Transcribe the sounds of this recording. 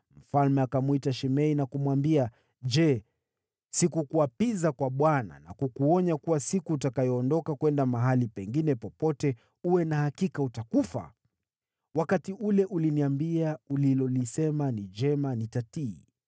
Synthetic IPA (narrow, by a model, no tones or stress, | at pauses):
m̩falmɛakamwitaʃɛmɛinakumuwambia | ʄd͡ʒɛ | sikukuapizakwaɓwana̰na̰kukuɔɲakuwasikuːtakajɔːndɔkakwɛndamaɦalipɛŋɡinɛpɔpɔtɛ | uwɛnahakikautakufa̰ | wakatiʔulɛʔuliniambiaulilɔlisɛmanid͡ʒɛmanitatiː